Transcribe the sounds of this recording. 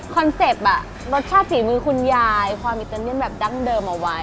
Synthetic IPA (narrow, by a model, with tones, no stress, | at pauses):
kʰɔ˧nse˨˩p̚ʔa˨˩ | ɾo˦˥t̪̚t͡ɕʰaː˥˩t̪̚siː˩˦mɯː˧kʰu˧njaː˧jkʰwaː˧mʔi˨˩t̪əː˧ni˥ən̚bɛː˨˩p̚da˦˥˩ŋdɤː˧mʔa˧˩wa˦˥j